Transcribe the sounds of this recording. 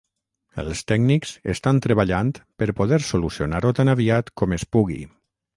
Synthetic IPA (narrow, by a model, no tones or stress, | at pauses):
ə̰lˠst̪ɛɡniksest̪ant̪ɾəβaʎant̪pəɾpoðɛɾsolusionaɾot̪anaβiat̪kɔmespuɣḭ